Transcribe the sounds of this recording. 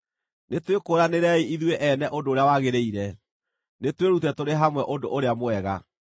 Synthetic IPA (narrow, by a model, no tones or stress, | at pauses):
netwekoːɾaneɾɛiiðweʔɛnɛʔodoːɾeawaɣeɾeiɾɛ | netweɾutɛtoɾeɦamwɛʔondo̰ʔoɾeamoɛɣa̰